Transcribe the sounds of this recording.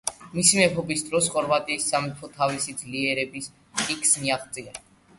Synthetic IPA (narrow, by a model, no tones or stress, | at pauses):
misimɛpʰɔbisd̪ɾɔsχɔɾvat̪ʼiːsːamipʰɔt̪ʰavisid̪zliɛɾɛbis | tʼikʰʼsmiaχt̪sʼia